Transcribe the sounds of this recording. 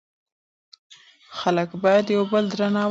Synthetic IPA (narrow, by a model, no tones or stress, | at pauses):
xaləkbɑjad̪jawbəld̪ɾanɑ